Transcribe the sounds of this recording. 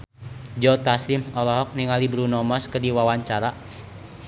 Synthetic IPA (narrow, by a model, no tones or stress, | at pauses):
d͡ʒɔt̪aslimɔlɔɦɔk̚niŋalibɾunɔmɔskərdiwawaɲt͡ʃaɾa